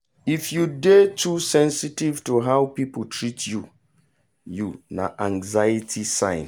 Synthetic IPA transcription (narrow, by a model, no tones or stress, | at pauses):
ifjudetʰusɛ̃nsitivtuɦaʊpip̩tʰɹitʰju | juna̰ʔãŋzajitʰisãɪ̃n